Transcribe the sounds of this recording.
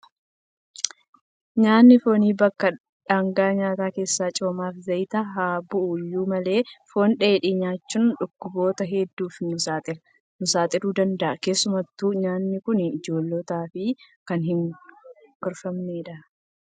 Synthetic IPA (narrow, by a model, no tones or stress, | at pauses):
ɲaːnːɪfo̞ːniːbɐkːɐ | ᶑaːŋɡaːɲaːt̪aːke̞ːsːaːt͡ʃʼoːmaːfzɐjt̪ɐɦaːbʊʔuːjːuːmɐle̞ːfo̞ːnᶑeːᶑɪɲaːt͡ʃːʊnᶑʊkːʊbo̞ːt̪ɐɦɛd̪ːuːfnʊsaːt̪ʼɪɾɐ | nʊsaːt̪ʼɪɾuːd̪ɐnd̪ɐʔɐke̞ːsːʊmɐt̪ːuːɲaːnːɪkʊnɪd͡ʒo̞ːlːot̪aːfɪkɐnhɪŋ | ɡ̥ɐɾfɐmneːᶑɐ